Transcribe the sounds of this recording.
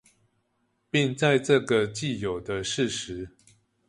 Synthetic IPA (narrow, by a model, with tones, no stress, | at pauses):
pi˥˧ŋt͡sa˥˧ɪʈ͡ʂɤ˥˨ɡə˨t͡ɕi˥˩˨jo˨˩ʊd̪ə˦ʂɻ̩˥˨ʂɻ̩˨˦